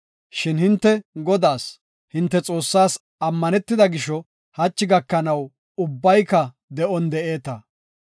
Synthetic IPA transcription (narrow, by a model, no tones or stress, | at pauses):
ʃɪnhɪnt̪ːɛɡɔd̪aːs | hɪnt̪ːɛt͡sʼo̞ːsːaːs | ɐmːɐnɛt̪ːɪd̪ɐɡɪʃɔ | hɐt͡ʃːɪɡɐkːɐnɐw | ʊbːɐjkːɐ | d̪ɛʔɔnd̪ɛʔe̞ːt̪ɐ